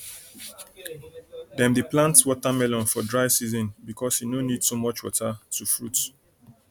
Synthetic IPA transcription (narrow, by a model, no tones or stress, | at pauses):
dɛ̃mdeplãntswɔtamɛlɔ̃nfɔdɹaɪsizɔ̃nbikʰɔshinonidsomɔt͡ʃwɔ̰tatufɹut